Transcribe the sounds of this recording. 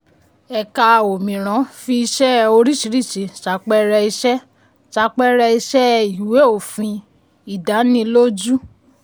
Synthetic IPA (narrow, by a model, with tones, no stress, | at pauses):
ɛ˨ka˧˨o˨mĩ˨ɾ̃ã˨˦fi˧i˧ʃɛ˦o˧ɾi˦˨ʃi˨˦ɾi˦˨ʃi˨˦ʃa˨˦k͡pɛ˦ɾɛ˧i˧ʃɛ˦ | ta˧˦k͡pɛ˦ɾɛ˧i˧ʃɛ˦i˨we˨˦o˨fĩ˧ | i˨da˨˦nĩ˧lo˦d͡ʒu˦